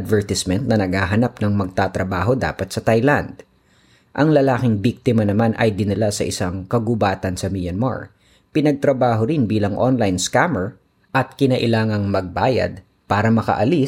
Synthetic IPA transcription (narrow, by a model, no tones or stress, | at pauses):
d̪vɛɹt̪ɪsmɛnt̪̚nɐnɐɡhaːɦɐnapnɐŋmɐɡ̚t̪at̪ɾɐbaːɦo̞d̪a̰ːpɐt̪̚sɐt̪ajland̪̚ | ʔɐŋlɐlaːkɪŋbik̚t̪ɪmɐnɐmanʔɐ̰jd̪ɪnɪlasɐ̰ʔɪsaŋkɐɡʊbaːt̪ɐnsɐmijɐnma̰ɹ | pɪnɐɡ̚t̪ɾɐbaːɦoɾɪnbiːlɐŋʔonlajnskamɛɹ | ʔɐt̪̚kɪnɐʔɪlaːŋɐŋmɐɡ̚baːjɐ̰d̪̚ | paːɾɐmɐkɐ̰ʔɐli